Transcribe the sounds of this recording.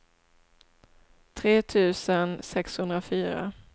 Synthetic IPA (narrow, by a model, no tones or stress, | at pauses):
t̪ʰɾeːt̪ʰʉ̟ːsənsɛkshɵnd̪ɾafyːɾa̰